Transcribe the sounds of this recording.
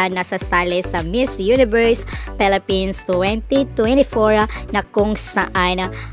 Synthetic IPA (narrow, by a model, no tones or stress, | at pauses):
nɐsasaːlɪsɐmɪsjunɪvɛɹspɛlɪpĩnst̪wɛnt̪it̪wɛnt̪ɪfoɹanɐkʊŋsɐʔan